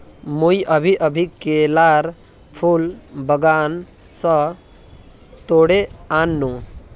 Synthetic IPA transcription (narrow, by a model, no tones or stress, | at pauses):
mujəbʱiʔəbʱikelaɾ | pʰulbʱəɡan | sə | t̪oɽeanːu